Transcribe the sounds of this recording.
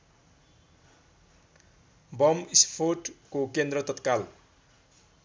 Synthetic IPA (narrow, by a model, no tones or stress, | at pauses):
bʌmispʰorʈkokend̪rʌt̪ʌt̪kal